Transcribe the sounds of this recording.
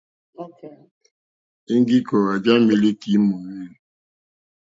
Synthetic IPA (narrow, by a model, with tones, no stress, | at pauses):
e˦ŋ˦ɡi˦kɔ˨ɣa˨d͡ʒa˦me˦le˦ki˨˦mo˨we˦l